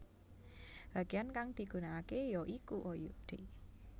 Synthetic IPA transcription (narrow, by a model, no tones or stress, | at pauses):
b̥a̤ɡ̥ijankaŋd̪̥i̤ɡ̥ṳnaakejɔʔikuʔojṵɖ̪̥e